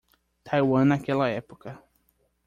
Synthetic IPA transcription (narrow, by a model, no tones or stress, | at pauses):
t̪ʰajwɐ̃nakɛlɐɛpo̥kɐ